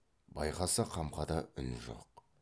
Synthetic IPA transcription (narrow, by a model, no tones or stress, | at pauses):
bɑjqɑsəqʰɑmqɑd̪ɑʏnʒo̰q